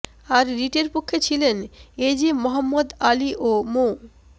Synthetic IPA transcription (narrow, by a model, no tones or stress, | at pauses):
aɾɾiʈeɾpokʰːet͡ɕʰilened͡ʑimɔɦamːod̪aliʔomo